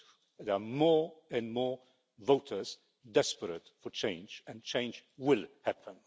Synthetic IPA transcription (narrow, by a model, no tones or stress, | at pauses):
ðəəmɔɹɨ̃nmɔɹ | voʊtʰə˞z̥ | dɛspəɾətfət͡ʃʰẽɪ̃nd͡ʒɨ̃nt͡ʃʰẽɪ̃nd͡ʒwɪlhæpʰə̃n